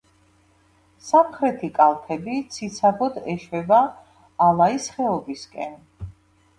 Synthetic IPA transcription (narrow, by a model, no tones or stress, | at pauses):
samχɾɛt̪ʰikʼalˠpʰɛbit̪sʰit̪sʰabɔd̪ɛʃwɛbaː | lˠaisχɛɔbiskʼɛn